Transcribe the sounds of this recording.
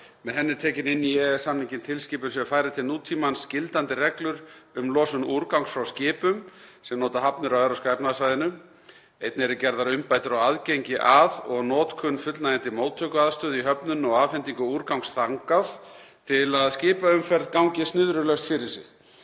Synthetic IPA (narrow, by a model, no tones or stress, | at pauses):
mɛðɦɛnːɪɾt̪ʰɛːcɪnɪnːiɛðsamniɲcɪnt̪ʰɪlscɪːpʏɾ̥sɛfaːjɾɪt̪ʰɪlnuːt̪ʰːiːmanscɪlt̪ant̪ɪrɛklʏɾʏmlɔːsʏmnuɾkawŋsfɾawscɪːpʏmsɛmnoːt̪aɦapnʏɾawɛɾaskajpnasvajðɪnʏ | ejt̪nɪɛɾʏcɛɾðaɾʏmpaːjt̪ʏɾawaðcejɲcɪʔaðɔɣnɔːt̪kʰʏnːfʏt̪lnajɛnt̪ɪmoːwt̪ʰœːkʏaðst̪œːðiɦœpnʏnɔɣafɛnt̪iŋkʏuːɾkawŋsθaŋkaðt̪ʰɪlaðscɪːpaʏmfɛɾðkawŋcɪst̪nʏðɾʏlœst̪fɪɾɪɾ̥sɪ̰